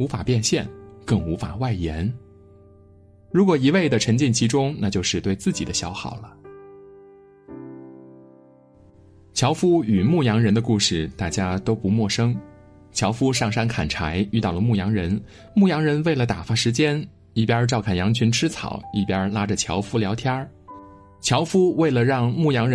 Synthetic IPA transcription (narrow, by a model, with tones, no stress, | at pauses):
u˧˥fa̰˨˩pjɛ˥˧nɕjɛ˥˩nkɤ˥˩ŋu˧˥fa̰˨˩wa˥˩ɪjɛ˧˥n | ɻu˧˥kwɔ˨˩i˧˥we˥˩ɪd̪ə˩ʈ͡ʂʰə˧˥ŋt͡ɕi˥˩nt͡ɕʰi˧˥ʈ͡ʂʊ˥ŋna˥˧t͡ɕjo˥˧ʊʂɻ̩˥˧t̪we˥˧ɪt͡sɹ̩˥˩t͡ɕi˨˩d̪ə˦ɕjɑ˧˥ʊxɑ̰˨˩ʊlə˦ | t͡ɕʰjɑ˧˥ʊfu˥y˨˩mu˥˩jɑ˧˥ŋɻə˧˥nd̪ə˧ku˥˧˩ʂɻ̩˥˩t̪a˥˩t͡ɕja˥t̪o˥ʊpu˧˥mwɔ˥˩ʂɤ˥ŋ | t͡ɕʰjɑ˧˥ʊfu˥ʂɑ˥˩ŋʂa˥nkʰa̰˨˩nʈ͡ʂʰa˧˥ɪy˥˧t̪ɑ˥˩ʊlə˩mu˥˩jɑ˧˥ŋɻə˧˥n | mu˥˩jɑ˧˥ŋɻə˧˥nwe˥˩ɪlə˩t̪a˨˩fa˥ʂɻ̩˧˥t͡ɕjɛ˥n | i˥˩pjɐ˥ʈ͡ʂɑ˥˧ʊkʰa˥˩njɑ˧˥ŋt͡ɕʰy˧˥nʈ͡ʂʰɻ̩˥t͡sʰɑ̰˨˩˦ʊi˥˩pja˥la˥ʈ͡ʂə˨t͡ɕʰjɑ˧˥ʊfu˥ljɑ˧˥ʊt̪ʰja˥ | t͡ɕʰjɑ˧˥ʊfu˥we˥˩ɪlə˩ɻɑ˥˧ŋmu˥˩jɑ˧˥ŋɻə˧˥